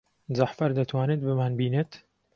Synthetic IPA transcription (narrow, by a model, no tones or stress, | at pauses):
zaħfɐɾd̪ɐt̪ʰwaːnɨd̪̚bɨmaːnbiːnɨt̪